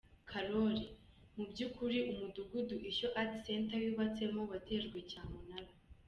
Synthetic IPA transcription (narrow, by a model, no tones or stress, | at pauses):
kʰaɾoɾi | mubɟukuɾiʔumuduɡuduʔeʃoʔati̥se̞ːntawiβat͡se̞mo̞βate̞ːʒɡwecaːmunaɾa